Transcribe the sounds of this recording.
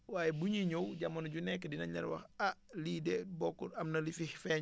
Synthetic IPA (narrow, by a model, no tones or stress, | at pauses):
waːjɛbuɲiɲowɟamːɐnɟunɛkːɛdinɐɲɐ̰ɾwɐ̰xaliːdɛbɔkːuɐmnɐlifihfɛːɲ